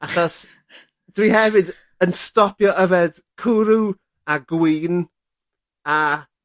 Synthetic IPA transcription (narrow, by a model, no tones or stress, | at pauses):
aχɔs | d̥wihɛvɨd | ənstɔpjɔʔəvɛd̥kʰuɾu | aɡwiːn | a